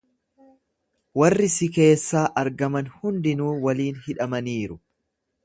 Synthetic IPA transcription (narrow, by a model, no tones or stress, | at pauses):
wɐrːɪsɪke̞ːsːaːʔɐɾɡɐmɐnhʊnd̪ɪnuːwɐliːnhɪᶑɐmɐniːɾʊ